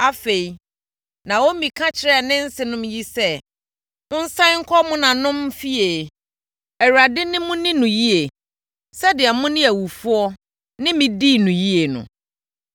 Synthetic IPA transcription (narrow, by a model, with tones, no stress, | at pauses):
a˦fe˨i˨ | nã˨wo˦mĩ˨kʰã˦t͡ɕʰɪ˨˦ɾɛ˦˨nɪ̃˦n̩˦sɪ˨nʊ̃˦mji˦sɛ˦ | ʊ̃˦n̩˦sã˦ŋ̩˦kʰɔ˦mʊ̃˦nã˨nʊ̃˦m˦fi˦e˨ | ɛ˨wɾa˨dɪ˦nɪ̃˦mʊ̃˦nɪ̃˦nʊ̃˨ji˦e˨ | sɛ˦dɪ˨ɛ˨mʊ̃˦nɪ̃˦æ˨wu˨fu˦ɔ˦ | nɪ̃˦mɪ̃˨di˦˨nʊ̃˨ji˦e˨nʊ̰̃˨